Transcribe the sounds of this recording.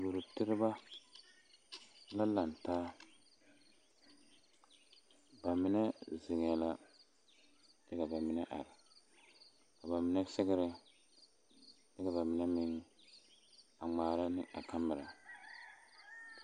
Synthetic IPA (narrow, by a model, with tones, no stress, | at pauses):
bo˨ɾʊ˨tɪ˦ɾɪ˦ba˦ | la˦la˨n˨taː˦ | ba˨mɪ˨˦nɛ˦zɪ˨ŋ˨ɛ˨la˦ | d̥ɛ˦ka˨ba˨mɪ˨nɛ˦ʔa̰˨ɾɪ˨ | ka˨ba˨mɪ˨nɛ˦sɪ˦ɡɪ˦ɾɪ˦ | dɛ˦ka˨ba˨mɪ˨nɛ˦mɪ˦ŋ˦ | a˨ŋ͡maː˨ɾa˦nɪ˦ʔa˨ka˦mɪ˨ɾa˨